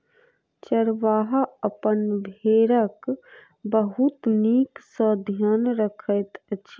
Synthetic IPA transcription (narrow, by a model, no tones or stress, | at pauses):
t͡ʃəɾʋaːɦəpənbʱeɾək | bəɦut̪niksə̃d̪ʱjanɾəkʰəjt̪t͡ʃʰ